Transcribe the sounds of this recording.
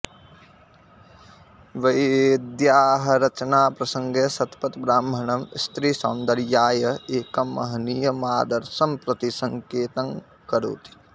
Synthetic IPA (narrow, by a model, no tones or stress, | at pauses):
ʋɐjd̪jaːɦɐ̆ɾɐt͡ʃnaːpɾɐsɐ̃ŋɡesɐt̪pɐt̪bɾaːmbʱɐɳɐmst̪ɾiːsaːnd̪ɐɾjaːjɐeːkɐmːɐ̰ɦnijɐmaːd̪ɐɾsɐmpɾɐt̪isɐ̃ŋkeːt̪ɐŋ | kɐɾo̰ːt̪i̥